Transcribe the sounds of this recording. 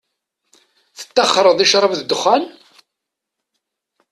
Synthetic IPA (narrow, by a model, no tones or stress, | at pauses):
θə̥t̪ːɑχːɾˤəðˤiʃɾˤəvðəd̪ʊχːæn